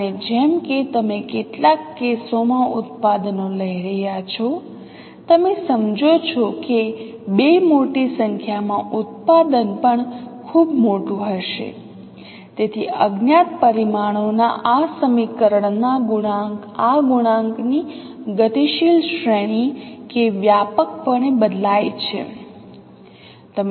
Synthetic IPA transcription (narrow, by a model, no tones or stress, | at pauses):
əned͡ʒɛmket̪əmekeʈlakːesomãʊt̪̚pad̪ənoləiɾəɦjat͡ʃʰɔ | t̪əmesəmd͡ʒot͡ʃʰɔke | bemoʈisəŋkʰjamãʔʊt̪̚pad̪ənpəɳkʰubmoʈũɦəʃḛ | t̪et̪ʰḭəɡnjat̪̚pəɾimaɽ̃ona̰ʔasəmikəɾəɳnaɡuɳãŋk | aɡuɽ̃ãŋkni | ɡət̪iʃilʃɾeɽ̃ikeʋjapək̚pəɳebəd̪lajt͡ʃʰḛ | t̪əm